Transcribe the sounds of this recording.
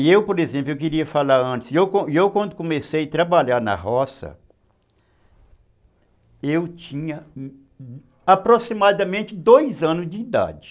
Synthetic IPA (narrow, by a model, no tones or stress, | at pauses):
ewpoɾezẽplʊewkɪɾiɐfalaɾɐ̃nt͡ʃɪ̥sewkõewkwɐ̃d̪ʊkõmesejat̪ɾabaʎaɾnɐ̰ɦɔsɐ̰ | ewt͡ʃĩɲɐ | apɾosimad̪ɐmẽnt͡ʃɪd̪ojzɐ̃nʊzd͡ʒɪid̪a̰d͡ʒɪ̥